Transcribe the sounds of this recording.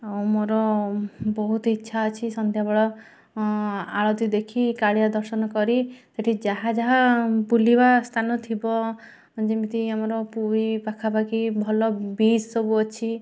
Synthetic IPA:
awmoɾɔ | bɔɦut̪ɔitːʃʰaɔt͡ʃʰisɔnt̪jabɔɭɔ | aɭod̪id̪ekʰikaɭijad̪ɔɾsɔnɔkɔɾiseʈʰid͡ʒaɦad͡ʒaɦapulibast̪ʰanɔt̪ʰibɔ | d͡ʒimit̪iamɔɾɔpuipakʰabakibʱɔlɔbisobuɔt͡ʃʰi

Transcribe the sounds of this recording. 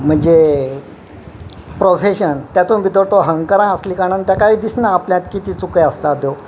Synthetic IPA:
m̤əɳd͡ze | pɾofeɕənt̪jat̪ũːnbid̪oɽt̪oɦəŋɡkəɾãəsliːkaɽ̃ənt̪jakaɦiːd̪isnaːpljãt̪kit̪iːt͡sukeəst̪at̪̚d̪jo

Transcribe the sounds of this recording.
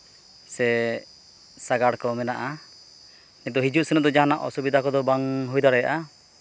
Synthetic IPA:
sɛ | saɡaɽkɔmɛnaʔa | nit̪̚d̪ɔɦid͡ʒuʔsɛnɔd̪ɔd͡ʒaɦanaʔɔ̰subid̪ʱakɔd̪ɔbaŋɦujd̪aɾɛja̰ʔa

